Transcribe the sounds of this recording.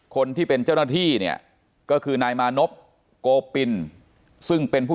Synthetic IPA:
kʰo˧nt̪ʰiː˥˩pe˧nt͡ɕaː˥˩wna˥˩t̪ʰiː˥˩ni˥˩ɐ | kɔː˥˩kʰɯː˧naː˧jmaː˧no˦˥p̚ | koː˧pi˧n | sɯ˥˩ŋpe˧npʰu˥˩

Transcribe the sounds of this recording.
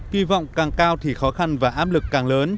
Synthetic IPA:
kwi˧vɔ̰˧˨wŋ͡mkaː˨˩ŋkaː˧wt̪ʰi˨˩xɔ˨˦xa˧nvaː˨˩ʔaː˦˥p̚lɨ˨˩kːaː˨˩ŋləː˨˦n

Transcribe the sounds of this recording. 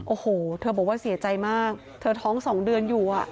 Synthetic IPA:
ʔoː˧˩hoː˨˩t̪ʰɤː˧bɔː˨˩˦waː˥˩si˨˩˦ɐt͡ɕa˧jmaː˥˩k̚ | t̪ʰɤː˧t̪ʰɔː˦˥ŋsɔː˩˦ŋdɯ˧ənjuː˨˩ʔa˨˩ʔ

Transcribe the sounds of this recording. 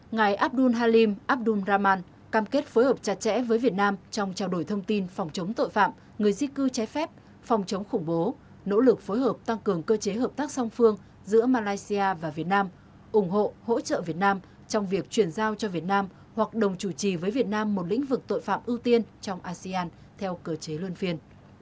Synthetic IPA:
ŋa˨˩jʔaː˦˥p̚ɗu˧nɦaː˧li˧mʔaː˦˥p̚ɗu˧nzaː˧maː˧n | kaː˧mke˦˥t̚foː˨˦jhəː˨˩p̚t͡ɕa˨˩t̚t͡ɕɛ̰˧˥vəː˨˦jvi˨˩ət̚naː˧mt͡ɕɔ˧wŋ͡mt͡ɕaː˧wɗo˧˩jt̪ʰə˧wŋ͡mt̪i˧nfɔ˨˩wŋ͡mt͡ɕə˨˦ŋ͡mt̪o̰˧˨jfa̰ː˧˨m | ŋɨ˨˩əjzi˧kɨ˧t͡ɕa˨˦jfɛ˦˥p̚ | fɔ˨˩wŋ͡mt͡ɕə˨˦wŋ͡mxʊ˧˩ŋ͡mɓo˨˦ | no̰˧˥lɨ˨˩k̚fo˨˦jɦəː˨˩p̚t̪a˧ŋkɨ˨˩əŋkəː˧t͡ɕe˨˦ɦəː˨˩p̚t̪aː˦˥k̚sɔ˧wŋ͡mfɨ˧əŋ | zɨ̰˧˥əmaː˧laː˧jsi˧aː˧vaː˨˩vi˨˩ət̚naː˧m | ʔʊ˧˩ŋ͡mɦo̰˧˨ho̰˧˥t͡ɕə̰ː˧˨vi˨˩ət̚naː˧m | t͡ɕɔ˧wŋ͡mvi˨˩ək̚t͡ɕwi˧˩ənzaː˧wt͡ɕɔ˧vi˨˩ət̚naː˧m | hwa˨˩k̚ɗə˨˩wŋ͡mt͡ɕu˧˩t͡ɕi˨˩vəː˨˦jvi˨˩ət̚naː˧mːo˨˩t̚lḭ̈˧˥ŋ̟vɨ˨˩k̚t̪o̰˧˨jfa̰ː˧˨mʔɨ˧t̪i˧ənt͡ɕɔ˧wŋ͡mʔaː˧si˧ʔaː˧n | t̪ʰɛ˧wkəː˧t͡ɕe˨˦lɨ˧ənfi˧ən

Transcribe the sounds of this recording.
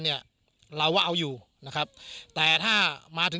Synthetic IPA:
ni˥˩ɐ | ɾa˧waː˥˩ʔa˧wjuː˨˩ | na˦˥kʰa˦˥p̚t̪ɛː˨˩t̪ʰaː˥˩maː˧t̪ʰɯ˨˦

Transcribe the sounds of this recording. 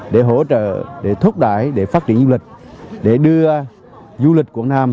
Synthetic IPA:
ɗe˧˩ɦo˧˥t͡ɕə̰ː˧˨ɗe˧˩t̪ʰʊ˦˥k͡p̚ɗa̰ː˧˩˨jɗe˧˩faː˦˥t̚t͡ɕi˧ənzu˧lï˨˩k̟̚ɗe˧˩ɗɨ˧ə | zu˧li˨˩k̟̚ku˧˩ənaː˧m

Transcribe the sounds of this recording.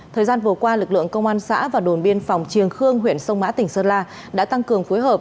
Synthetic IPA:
t̪ʰəː˨˩jzaː˧nvɨ˨˩əkwaː˧lɨ˨˩k̚lɨ̰˧˨əŋkə˧wŋ͡mʔaː˧nsa̰ː˧˥vaː˨˩ɗo˨˩nɓi˧ənfa˨˩wŋ͡mt͡ɕi˨˩əŋxɨ˧əŋɦwi˧˩ənsə˧wŋ͡mma̰ː˧˥t̪ï˨˩ŋ̟səː˧nlaː˧ | ɗa̰ː˧˥t̪a˧ŋkɨ˨˩əŋfu˨˦jɦəː˨˩p̚

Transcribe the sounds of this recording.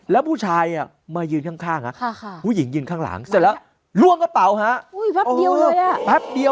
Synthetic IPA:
lɛː˦˥wpʰuː˥˩t͡ɕʰaː˧jʔa˨˩ | maː˧jɯː˧nkʰaː˥˩ŋkʰaː˥˩ŋha˦˥˧huː˧˥˩ji˩˦ŋjɯː˧nkʰaː˥˩ŋla̰ː˩˦ŋsa˧˩lɛ˦˥ | lu˧˩˨əŋka˦˥t̪a˨˩˦wɦa˦˥ʔu˧˦˥i˧ə˧wja˧˩bɛ˦˥p̚di˧ə

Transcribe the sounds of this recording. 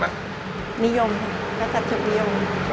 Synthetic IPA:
ni˦˥jo˧mkʰa˧˥sa˨˩i˨˩ʔ̚ni˦˥jo˧m

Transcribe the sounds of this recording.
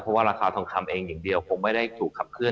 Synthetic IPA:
pʰɔ˦˥waː˥˩ɾaː˧kʰaː˧t̪ʰɔː˧˦ŋk̪ʰa˧mʔeː˧ŋja˨˩ŋdi˧əwkʰo˧ŋma˥˩jda˥˩jt̪ʰuː˨˩kʰːa˨˩p̚kʰɯ˥˩ə

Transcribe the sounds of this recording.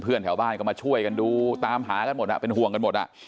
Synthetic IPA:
pʰɯ˥˩ənt̪ʰɛː˩˦wbaː˥˩nkɔ˥˩maː˧t͡ɕʰu˥˩əjka˧nduː˧t̪aː˧mɦaː˩˦ka˧nmo˨˩ʔa̰˨˩pe˧nɦu˨˩əŋka˧nmo˨˩t̪̚ʔa̰˨˩

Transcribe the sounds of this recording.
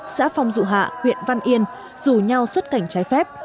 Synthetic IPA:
sa̰ː˧˥fa˧wŋ͡mzṵ˧˨ɦa̰ː˧˨hwḭ˧˨ənva˧nʔi˧ən | z̥u˧˩ɲa˧wswə˦˥t̚ka˧˩jŋ̟t͡ɕaː˨˦jfɛ˦˥p̚

